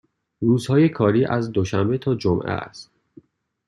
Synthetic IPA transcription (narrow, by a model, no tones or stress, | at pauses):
ruːzhɒːjekʰɒːɾiːʔæzd̪oʃæmbet̪ʰɒːd͡ʒomʔḛæ̰st̪